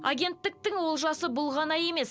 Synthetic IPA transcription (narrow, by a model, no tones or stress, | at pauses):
a̰ɡʲe̞nt̪ːɪk̚t̪ɪŋwo̞lˠʒɑsəbʊlˠʁɑnɑje̞me̞s